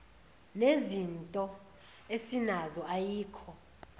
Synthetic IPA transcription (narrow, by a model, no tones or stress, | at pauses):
nezintʼɔ | esinazɔʔajiːkʰɔ